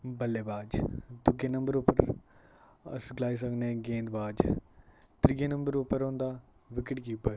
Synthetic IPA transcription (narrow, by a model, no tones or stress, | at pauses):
bəlːeːbaːd͡ʒd̪ʊɡeːnə̃mbəɾopəɾ | ə̰sɡlaːis̬əknẽːɡẽːnd̪baːd͡ʒ | t̪ɾɪɡeːnə̃mbəɾopəɾõːnd̪aː | ʋɪkɪʈɡiːpəɾ